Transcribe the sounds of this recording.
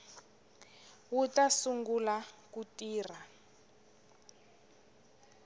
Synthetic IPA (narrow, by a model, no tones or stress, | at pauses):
wutasuŋɡulakutiːr̤a